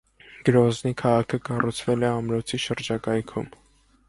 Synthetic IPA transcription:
ɡ̥əɾɔznikʰɑʁɑkʰəkɑrut͡sʰvɛlɛɑmɾɔt͡sʰiʃəɾd͡ʒɑkɑjkʰṵm

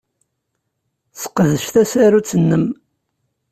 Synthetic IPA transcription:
sə̥qːəðəʃθæsæɾut͡sːənːəm

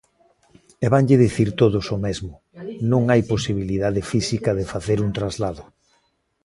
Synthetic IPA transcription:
eβaŋʎɪðiθiɾt̪oð̞osomezmʊ | nõŋajposiβ̞iliðaðɪfisikɐðɪfaθeɾunt̪ɾazlaðʊ

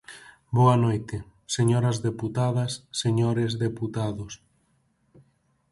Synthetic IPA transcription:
boɐnojt̪ɪ | seɲoɾɐzðeput̪aðɐsːeɲoɾezðeput̪aðʊs

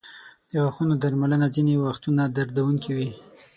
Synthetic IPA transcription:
d̪̥əɣaxunod̪aɾmalənazinewaxt̪unad̪aɾd̪awuŋkiwi

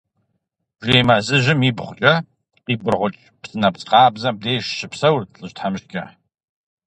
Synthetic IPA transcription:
ʒʷejmazɨʒɪmiːbχʷʊt͡ʃʼɐ | qiːbɨrʁʷʊt͡ʃʼpsɨnɐpt͡sʼqɑːbzɐm̚deːʃʃɨpsɐwrɬʼɨɕtħamʃkʲʰʼɐ̰ħ

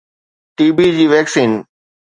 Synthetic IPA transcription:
ʈiːbid͡ʑiːʋɛːksĩːn

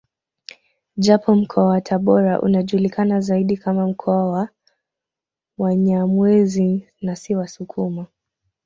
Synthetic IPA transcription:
ʄapʰɔm̩kʰɔawatʰaɓɔɾa̰ʔṵnaʄulikanazaiɗikamam̩kʰɔawa | waɲamwɛzi | nasiwasukʰuma

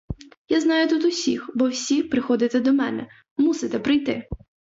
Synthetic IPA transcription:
jaznɑjʊt̪ut̪ʊsʲixbɔwsʲipɾɪxɔd̪ɪt̪ɛd̪ɔmɛnɛ | musɪt̪ɛpɾɪjt̪ɪ

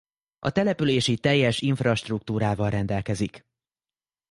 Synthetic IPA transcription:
ʔɒ̰t̪ɛlɛpyleːʃit̪ɛjːɛʃiɱfrɒʃt̪ruk̚t̪uːɾaːvɒlrɛnd̪ɛlkɛzik

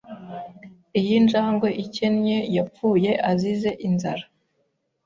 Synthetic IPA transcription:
ijinʒaːŋɡo̞ʔice̞nɲe̞jap͡fuːje̞ʔazize̞ʔinzaɾa

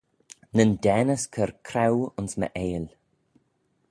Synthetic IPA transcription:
nəndɛːnəskʰəɾkʰɾawʊnsmə̰ʔeːl

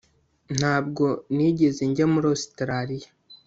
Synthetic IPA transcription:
n̥haːb̚ɡo̞niːɟe̞zeɲɟemuɾostɾaɾija

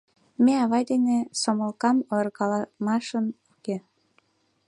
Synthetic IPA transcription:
meɑβɑjd̪enesoməlkɑmorɣɑlɑmɑʃənuke

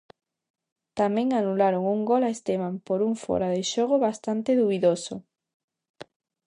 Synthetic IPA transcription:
t̪amẽŋanulaɾoŋuŋɡolaest̪emampoɾuŋfo̰ɾaðeʃoɣ̞oβast̪ant̪eðuβiðoso

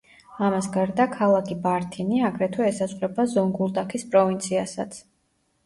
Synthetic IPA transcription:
amasɡaɾd̪akʰalˠakʰibaɾt̪ʰiniaɡɾɛt̪ʰɔɛsasʼχʼɾɛbazɔŋɡulˠd̪akʰispʼɾɔvint̪sʰiasat̪sʰ

